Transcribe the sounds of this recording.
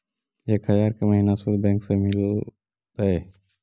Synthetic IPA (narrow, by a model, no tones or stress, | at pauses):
eːkhəjaːɾkeməɦiːnasuɾbɛ̃ːŋksemɪl | t̪ɐe